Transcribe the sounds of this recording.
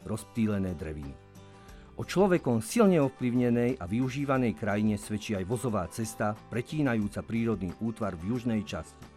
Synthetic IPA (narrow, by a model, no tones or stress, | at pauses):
ɾɔsp̚t̪iːlɛnɛːd̪ɾɛʋḭnḭ | ʔɔt͡ʃlɔʋɛkɔmsilɲɛɔfpliʊɲɛnɛjaʋiuʒiːʋanɛjkɾajiɲɛsʋɛt͡ʃiajʋɔzɔʋaːt͡sɛst̪apɾɛciːnajuːt͡sapɾiːɾɔd̪niːʔuːt̪ʋaɾvjuʒnɛjt͡ʃa̰sci̥